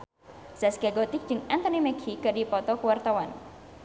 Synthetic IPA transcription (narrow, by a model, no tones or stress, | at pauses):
saskaɡɔt̪ɪk̚d͡ʒ̥ɨŋɛnt̪ɔnimɛkʰikɨdipɔt̪ɔkəwart̪awan